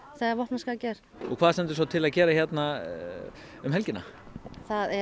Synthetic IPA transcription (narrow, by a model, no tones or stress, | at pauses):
θɛɣavɔhpnaskacɛːɾ̥ | ɔkʰvaːðasɛnt̪ɪ̥s̬awt̪ʰɪlaðcɛːɾaçjɛt̪na | ʏmɦɛlcɪna̰θaðɛ